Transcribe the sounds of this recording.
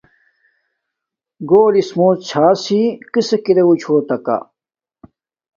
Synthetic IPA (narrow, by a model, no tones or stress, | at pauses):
ɡoːlismoːt͡ɕʰaːsikisekiɾeut͡ɕʰoːt̪ɐka̰